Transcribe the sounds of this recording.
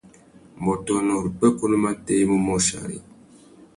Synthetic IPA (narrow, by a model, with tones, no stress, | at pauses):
m̩˨bɔ˨tɔ˨nɔ˨ɾi˨k͡pɛ˦ko˦lma˦te˦mu˦mɔ˦ʃa̰˨ɾḭ˨